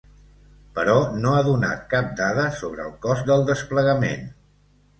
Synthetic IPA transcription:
pəɾɔnoaðuna̰t̪kap̚d̪aðəsoβɾəːlˠkɔzd̪əlˠd̪əspləɣəmḛn

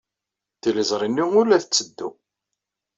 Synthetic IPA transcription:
θiləzˤɾˤinːiʊlæθət͡sːəd̪ːu

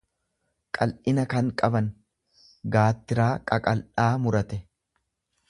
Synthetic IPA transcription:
kʼɐlʔɪnɐkɐŋkʼɐbɐn | ɡaːt̪ːɪɾaːkʼɐkʼɐlʔaːmʊɾɐt̪ɛ

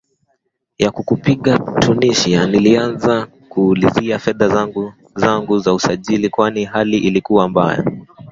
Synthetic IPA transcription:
jakukupiɠatʰuniʃianilianza | kuːliziafɛðaɡ | zaŋɡuzausaʄilikwanihaliʔilikuwamba̰ja̰

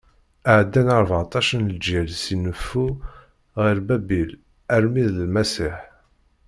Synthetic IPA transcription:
aʕəd̪ːænəɾˤvʕɑt̪ˤɑʃənld͡ʒiɾsinəfːu | ʁiɾbæbil | æɾmiðləlmæsiħ

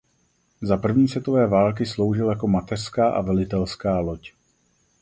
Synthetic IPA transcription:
zapr̩vɲiːsvɛt̪o̞vɛːvaːlk̬ɪslo̞wʒɪljako̞mat̪ɛr̥skaːʔavɛlɪt̪ɛlskaːlo̞c

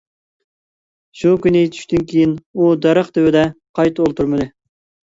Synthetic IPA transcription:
ʃukʲynɪt͡ʃ̪ʰy̥ʃʲt̪ynkʲʰejinud̪ɛɾəχd̪ɪwɪd̪ɛqʰɑjt̪ʰolˠt̪ʰuɾmɨd̪ɨ

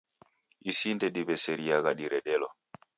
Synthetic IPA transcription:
isindɛɗiβɛsɛɾiaɣaɗiɾɛɗɛlɔ

